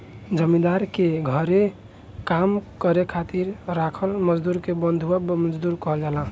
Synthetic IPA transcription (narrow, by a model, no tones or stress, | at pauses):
d͡ʒəmĩd̪aɾkeɡʱəɾe | kamkəɾekʰat̪iɾɾakʰəlməd͡ʒd̪uɾkebənd̪ʱuabməd͡ʒd̪uɾkɔɦld͡ʒalã